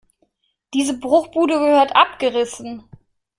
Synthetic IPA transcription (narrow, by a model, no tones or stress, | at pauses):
d̥iːzəbʁʊχb̥uːdəɡəhøːɐtʔap̚ɡ̥əʁɪsn̩